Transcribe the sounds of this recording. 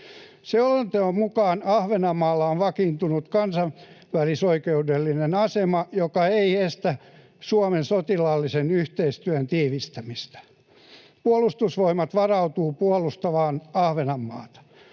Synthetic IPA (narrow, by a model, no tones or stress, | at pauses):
seolent̪eommukɑːnɑhʋenɑmːɑːlːɑonʋɑkint̪unut̪kɑnsɑʋ | ʋælisoikeudelːinenɑsemɑjokɑeiest̪æ | suomensot̪ilɑlːisenyht̪eist̪yønt̪iːʋist̪æmist̪æ̥ | puolust̪usʋoimɑt̪ʋɑrɑut̪uːpuolust̪ɑʋɑːnɑhʋenɑmːɑ̰ːt̪ɑ̥